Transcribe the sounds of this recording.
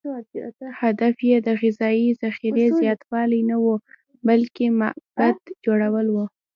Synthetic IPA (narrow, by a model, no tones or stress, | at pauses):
had̪afjed̪əɣɪzɑizaxiɾezjɑt̪wɑlajnawu | balkemaʔb̥ad̪d͡ʒoɽawəlwu